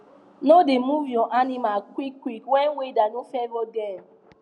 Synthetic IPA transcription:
nodemuvjɔ̃ʔanĩmakwikːwikwɛ̃nwedanõfɛvoɡɛ̃n

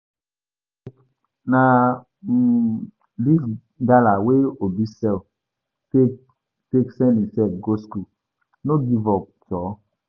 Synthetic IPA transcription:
na | dis | ɡalaweobisɛl | teksɛ̃nisɛt̚ɡosku | noɡivɔp̚tɔ

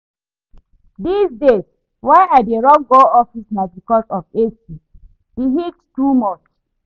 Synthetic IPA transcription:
disdes | waɪaeɹɔ̃ŋɡoɔfisnabikɔsɔfesi | iɦittumɔt͡ʃ

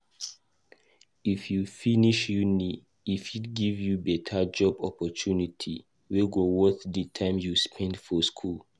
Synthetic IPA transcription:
ifjufiniʃjuni | ifitɡivjubɛtʰad͡ʒɔbɔpɔtʰunitʰi | weɡowɔθditʰãɪ̃mjuspʰɛ̃ndfɔskʰul

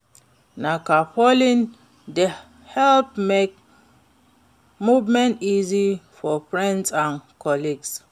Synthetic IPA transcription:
nakapɔlĩn | de | hɛlp̚mek̚ | muvmɛ̃ntizifɔfɹɛ̃ndsãnkʰɔliɡs

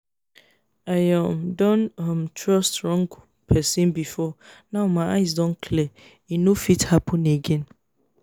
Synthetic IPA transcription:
ajãmdɔ̃nãmtʰɹɔstɹɔ̃ŋɡ | pʰɛsĩnbifɔnãwmãʔaɪs̬dɔ̃nkʰlɛ | inofithapʰɔ̃neɡɛ̃n

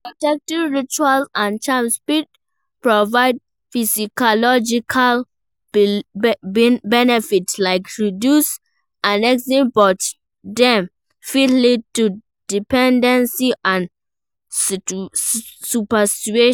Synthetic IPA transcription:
pɹɔtɛk̚tivɹit͡ʃualãnt͡ʃãmspid̚ | pɹɔvaɪd̚ | fisikɔlɔd͡ʒikʰal | bɛnɛfitlaɪkɹidjus | ãnɛksĩbɔt | dɛ̃m | fitlid̚tu | dipɛ̃ndɛ̃nsiʔãn | supasi̥t͡ʃue

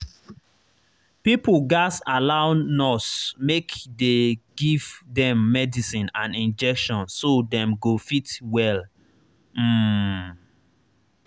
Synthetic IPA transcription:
pipuɡasalaʊnɔsmekdeɡivdɛ̃mːɛdisĩnãnĩnd͡ʒɛkʃɔ̃nsodɛ̃mɡofitwɛl | m̩

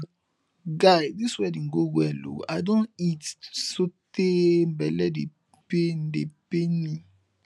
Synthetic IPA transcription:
ɡajdiswɛdĩnɡowɛlo̰a̰dõnitsotem̩bɛlɛde | pen̩depenĩ

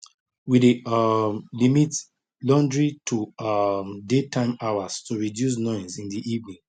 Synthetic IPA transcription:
wid | limit | lɔ̃ndɹitʰumdetʰãɪ̃maʊastuɹidjus̬nɔ̃ɪ̃nsĩndiʔivnĩŋ

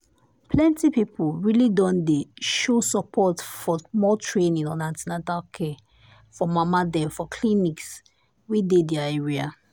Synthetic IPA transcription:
pʰlɛ̃ntipipʰuɹilidɔ̃ndeʃosəpʰɔtfɔmɔtʰɹẽnĩŋɔ̃nãntinatalkʰɛ | fɔmamadɛ̃fɔkʰliniks | widedɛaɛɹia

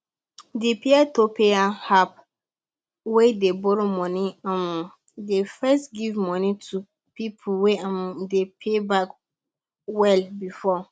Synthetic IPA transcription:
depʰeatʰopʰeahap̚ | wedebɔɾomɔ̃nĩamũ | defɛstɡivmɔ̃nĩtʰu | pʰipʰuweãm̃depʰebak | wɛlbifɔ

